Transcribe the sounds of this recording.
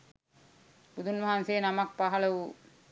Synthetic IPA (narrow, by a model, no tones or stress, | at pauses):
bud̪unʋɐɦansejːnamak̚paɦɐləʋu